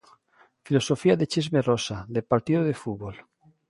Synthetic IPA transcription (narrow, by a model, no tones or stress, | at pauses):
filosofiaðet͡ʃizmerosaðelpaɾt̪iðoðefuβol